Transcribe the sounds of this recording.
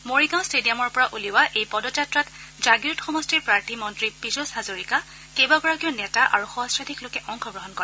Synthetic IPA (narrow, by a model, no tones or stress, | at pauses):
moɹiɡãw̃stedijamɔɹpɔɹaʔuliwaʔejpɔdɔtatɹatzaɡiɹɔtxɔmɔstiɹpɹaɹtʰimɔntɹipizosazoɹika | kejbaɡɔɹakiɔnɛtaʔa̰ɹuxɔɦɔsɹadʰʱiklokɛʔɔŋxʰɔɡɹɔɦɔnkɔɹɛ